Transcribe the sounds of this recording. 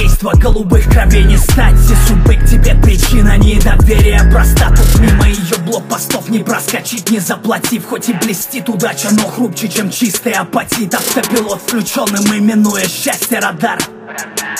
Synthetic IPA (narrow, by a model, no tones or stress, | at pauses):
ejst̪vəɡəlˠʊbɨxkrɐvʲenʲɪst̪atʲːɪsʊbɨk̚tʲɪbʲepɾʲɪt͡ɕinənʲɪd̪ɐvʲeɾʲɪjəpɾɐst̪at̪ɨsʲmʲiməjɪjoblˠok̚pɐst̪o̞fnʲɪpɾəskɐt͡ɕit̚ʲnʲɪzəplˠɐtʲifxo̞tʲɪblʲɪsʲtʲit̪ʊd̪at͡ɕɪnoxɾupt͡ɕɪt͡ɕemt͡ɕist̪əjəɐpɐtʲit̪ɐft̪əpʲɪlˠot̪fsklʲʉt͡ɕo̞nːɨmɨmʲɪnːujəɕːæsʲtʲjəɾɐd̪ar